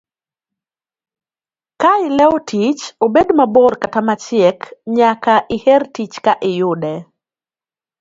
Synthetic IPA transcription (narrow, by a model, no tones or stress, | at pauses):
kaɪlɛotʰit͡ʃobedmabɔrkatamat͡ʃɪɛkɲakaʔɪhɛrtit͡ʃkaʔɪjʊdɛ